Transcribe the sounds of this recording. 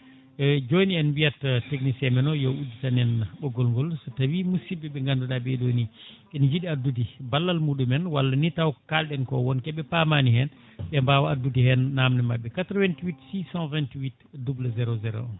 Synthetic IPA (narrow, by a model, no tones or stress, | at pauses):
ɛd͡ʒoniɛnbijatteknisɛmɛnɔjɔʔuditanɛnaɓɔɡɔlŋɡɔlsɔtawimusibɛbɛŋɡanduɗabɛdonikɛnid͡ʒiɗiadudibalːalmuːɗumɛnwalːanitawkalɗɛnkɔwɔnkɛɓɛpamanihɛn | ɓɛmbawaadudihɛnːamnɛmabːɛkatɾɔwɛntiwitsisãnvɛntwit | dublazɛɾozɛɾo̰n